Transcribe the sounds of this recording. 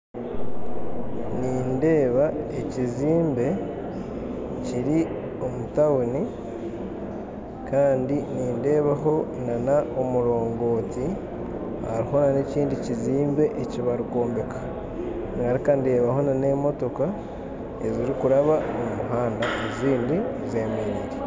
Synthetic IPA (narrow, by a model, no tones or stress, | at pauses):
niːnde̞ːβaeciziːmbe̞ | ciɾi | o̞mutawuni | kaːndiniːnde̞ːβaɦo̞nanaomuɾo̞ːŋɡo̞ːti | ha̰ɾiho̞naneciːndiciziːmbe̞ʔeciβaɾiko̞ːmbe̞kʰḁ | niŋɡaɾikande̞ːβaho̞nane̞ːmo̞to̞ka | e̞ziɾikuɾaβaomumuɦaːndaʔeziːndizemeɾiɾe